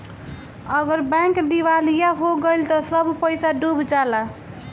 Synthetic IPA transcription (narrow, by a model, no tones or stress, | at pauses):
əɡəɾbãŋkd̪iʋalijaɦoɡəjlt̪ɔsəbʱpəjsaɖubd͡ʒala